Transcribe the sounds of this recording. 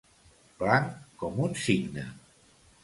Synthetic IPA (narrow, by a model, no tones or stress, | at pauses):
plaŋkɔmunsiɡnə̰